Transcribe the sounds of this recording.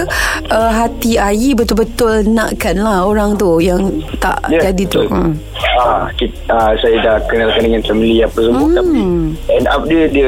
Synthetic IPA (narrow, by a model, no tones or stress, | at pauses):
ʔəɦat̪iaibət̪ʊlbət̪ʊlnã̰ʔkanlahoɾaŋt̪ujaŋt̪a̰ʔd͡ʒadit̪u | akit̪əsajadahkənalkandəŋant̪əməliapasəbʊt̪apiɛna̰p̚diədiə